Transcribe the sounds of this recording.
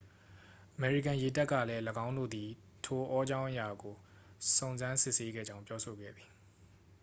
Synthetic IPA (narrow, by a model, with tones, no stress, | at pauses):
ʔəmɛ˨ɹḭ˦˨kã˨je˨ta˦kːä̰˦˨lɛ˦ləɡã˦ʊ̃ndo̰˦˨d̪ði˨ | tʰo˨ʔɔ˦d͡ʑã˦ʊ̃ʔəja˨ɡo˨ | sõ˨ʊ̃nzã˦nsɪ˦ʔse˦ɡɛ̰˦˨d͡ʑã˦ʊ̃pjɔ˦so˨ɡɛ̰˦˨d̪ði˨